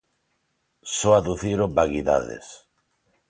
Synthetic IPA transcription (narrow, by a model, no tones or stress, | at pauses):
soaðuθiɾobaɣiða̰ðḛs